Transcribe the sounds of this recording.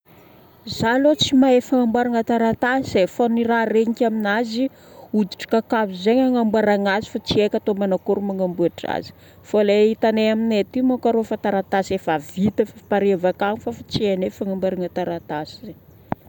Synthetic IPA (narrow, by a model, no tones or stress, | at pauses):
zalot͡simaefaŋambwaɾaŋat̪aɾat̪asefoniɾaɾeɲikʲaminazi | ud̪iʈ͡ʂḁkakavizeɲaŋambwaɾaŋazi̥fat͡siekʲat̪omanakuɾumaŋambuaʈ͡ʂa̰zi̥ | foleit̪aneaminet̪imakaɾofat̪aɾat̪asefavit̪efapaɾevakaŋifafat͡sienefaŋambaɾaŋat̪aɾat̪asize